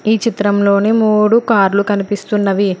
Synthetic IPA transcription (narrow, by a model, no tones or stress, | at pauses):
iːt͡ʃit̪ɾɐmlo̞ːneːmuːɽukaːɾlukɐnipist̪unːɐʋi